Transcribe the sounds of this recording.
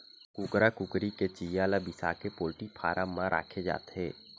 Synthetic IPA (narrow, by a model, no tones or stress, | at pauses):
kʊkɾakʊkɾiket͡ʃijaːlabɪsa̰kepoːlʈipʰaːɾʔamːãɾʔa̰ːkʰed͡ʒa̰ːt̪ɦɛː